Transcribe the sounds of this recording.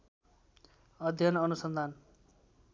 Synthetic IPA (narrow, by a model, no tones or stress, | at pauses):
ʌd̪ʱjʌnʌnusʌnd̪ʱan